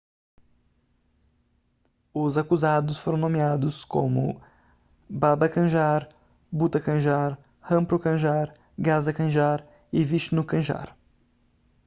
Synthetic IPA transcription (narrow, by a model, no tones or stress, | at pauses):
ʊzakuzad̪ʊsfoɾɐ̃w̃nõmiad̪ʊskõ̰mʊ̰ | babɐkɐ̃ʒaɾ | but̪ɐkɐ̃ʒaɾ | hɐ̃pɾʊkɐ̃ʒaɾ | ɡazɐkɐ̃ʒaɾ | ɪviʃnʊkɐ̃ʒa̰ɾ